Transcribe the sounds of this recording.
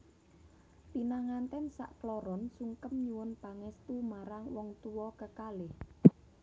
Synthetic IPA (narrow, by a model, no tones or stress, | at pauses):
pinaŋant̪ɛnsa̰ʔklɔɾɔnsuŋkəmɲiwʊnpaŋɛst̪umaɾaŋwɔŋt̪uwɔkəkalɪh